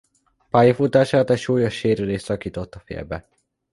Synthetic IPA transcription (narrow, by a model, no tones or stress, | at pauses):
paːjɒfut̪aːʃaːt̪ɛcʃuːjo̞ʃːeːɾyleːʃsɒkiːt̪o̞t̪ːɒfḛːlbɛ